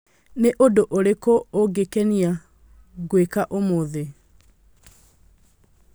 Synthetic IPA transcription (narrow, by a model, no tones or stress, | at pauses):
neʔodoʔoɾekoːɡekɛnia | ɡwekaʔomoðe